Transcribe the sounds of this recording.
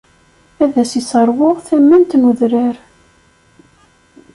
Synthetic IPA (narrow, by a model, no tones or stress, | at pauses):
æðæsisəɾˤwʊʁθæmːænt̪nuðɾɪɾ